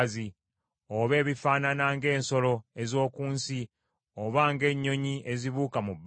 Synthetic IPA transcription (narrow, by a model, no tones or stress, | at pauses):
zi | oβe̞ːβifaːnanaŋɡe̞ːnso̞lo̞ezo̞ːkuːnsi | oβaːŋɡe̞ɲːo̞ɲiʔeziβuːkamubː